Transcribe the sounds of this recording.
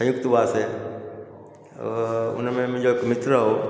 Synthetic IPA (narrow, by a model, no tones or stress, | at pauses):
sə̃jʊkt̪baːse | ʊ̰nmẽmʊ̃ɦd͡ʑoekmɪt̪ɾɦo